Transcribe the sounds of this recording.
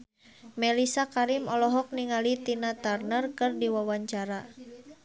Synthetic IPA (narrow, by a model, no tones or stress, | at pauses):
mɛlisakaɾimɔlɔɦɔk̚niŋalit̪inat̪arnərkɨrdiwawaɲt͡ʃaɾa